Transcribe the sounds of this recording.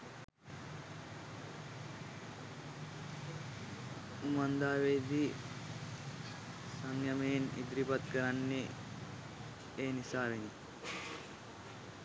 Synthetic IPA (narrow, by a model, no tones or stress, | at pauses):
umand̪aːʋeːd̪iː | saŋjamenḭd̪ɾipat̪kəɾanːe | eːnisaːʋeni